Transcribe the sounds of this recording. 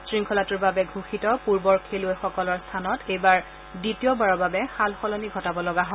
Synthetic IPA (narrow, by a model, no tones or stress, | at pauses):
sɹiŋkʰɔlatuɹbabɛɡʱuxitɔpuɹbɔɹkʰelʊɛxɔkɔlɔɹstʰanɔtejbaɹ | ditijɔbaɹɔɹbabɛxalxɔlɔniɡʱɔtabɔlɔɡaɦɔ̃